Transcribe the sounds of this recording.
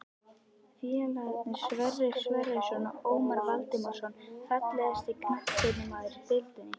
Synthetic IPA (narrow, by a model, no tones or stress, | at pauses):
fiɛlaðɛpnɪɾ̥svɛrːɪɾsvɛrːɪsɔnaoːwmaɾvalt̪ɪmaɾ̥sɔnfat̪lɛðɛst̪ikʰnahkɪnɪmaːðɪɾipɪlt̪ɪnːɪ